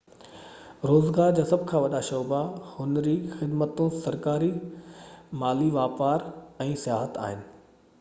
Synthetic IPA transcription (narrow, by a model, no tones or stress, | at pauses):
ɾoːzɡaːɾd͡ʑaːsɐbʱkʰãːʋɐɗaʃɔːbahʊnɾiːxɪd̪mət̪ũsɐɾkaːɾi | maːliʋaːpaːɾɛ̃ːsijaːɦət̪a̰ːɦɪnɪ̆